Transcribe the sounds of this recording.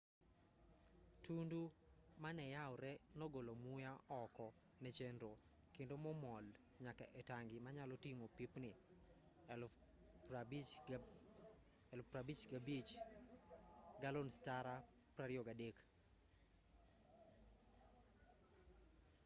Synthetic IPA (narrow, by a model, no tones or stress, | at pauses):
tundumanɛjawɾɛnɔɡolomujaɔkɔ | nɛt͡ʃendɾo | kɪndomɔmɔl | ɲaka̰ʔɛtaŋɡɪmaɲalɔtiŋopipnɪ | ɛlpɾabit͡ʃɡabit͡ʃ | ɡalonstaɾa | pɾaɾjoɡadek